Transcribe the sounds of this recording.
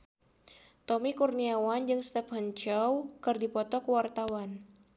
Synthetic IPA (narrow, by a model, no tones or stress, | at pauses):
t̪ɔmikurniawand͡ʒɨŋst̪ɛfhənt͡ʃɔwkɨrdipɔt̪ɔkuwart̪awan